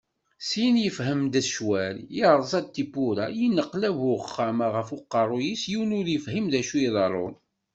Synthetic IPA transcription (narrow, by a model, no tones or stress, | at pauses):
sinjəfɦəmd̪æʃwæljiɾˤzˤɑd̪̚t̪ːibʊɾajinːəqlævʊəχːæmaʁəfʊqːɑɾˤʊjisjiwnʊɾjəfhimðæʃuiðˤɑɾˤo̰n